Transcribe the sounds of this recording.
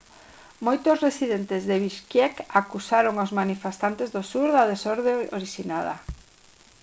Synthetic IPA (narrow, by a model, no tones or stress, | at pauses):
mojt̪osresiðent̪ezðeβiʃkjɛkakusaɾoŋazmanifest̪ant̪ezðosuɾðaðesoɾðeoɾiʃinaðɐ̰